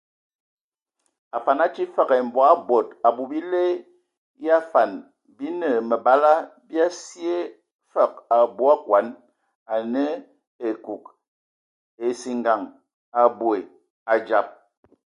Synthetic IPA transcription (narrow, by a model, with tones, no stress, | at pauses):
a˨fa˨na˦t͡ʃi˦fə˦ɣe˨m̩˨bɔ˨a˦bo˨ta˨bu˨bi˦le˦ | ja˦fa˨n | bi˦nə˨mə˨ba˦la˦bi˦a˦si˦e˦ | fə˦˨k̚a˨bu˦a˦kwa˨˦n | a˨nə˦ | e˨ku˨k̚ | e˨si˨ŋɡa˨ŋ | a˨bwe˨ | a˨d͡ʒa˨p̚